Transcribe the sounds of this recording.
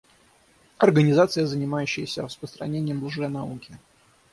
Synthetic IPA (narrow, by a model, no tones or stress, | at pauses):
ɐrɡənʲɪzat̪sɨjəzənʲɪmajʉɕːɪjəsʲərəspəst̪ɾɐ̰nʲenʲɪjəmblˠʐejnɐukʲɪ